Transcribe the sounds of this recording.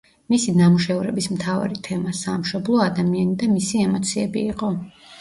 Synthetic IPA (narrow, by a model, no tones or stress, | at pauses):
misinamuʃɛvɾɛbismt̪ʰava̰ɾit̪ʰɛmasamʃɔblˠɔad̪amianid̪amisiɛmɔt̪sʰiɛbiːqʼɔ